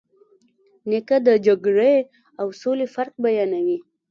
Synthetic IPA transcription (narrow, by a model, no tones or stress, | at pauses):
nekad̪əd͡ʒaɡɽe | awsolefaɾk̚bajɑnawi